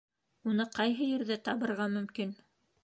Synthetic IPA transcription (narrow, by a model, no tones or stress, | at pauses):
unɤqɑjɦɤjɘ̆ɾðɘt̪ɑβɤ̆ɾʁɑmɵ̆mkin